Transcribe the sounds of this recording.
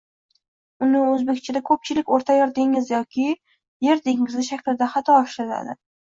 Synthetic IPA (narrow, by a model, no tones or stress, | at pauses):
ʊnɪɵzbe̞kʲt͡ʃʰɪd̪akʰɵp̚t͡ʃʰɪlɪkʲoɾt̪ʰajɒɾd̪ɪŋɪzjɒkʲʰɪ | je̞ɾd̪eŋɪzɪʃakʲlɪd̪aχat̪ʰɒːʃɾɪna̰d̪ɪ̰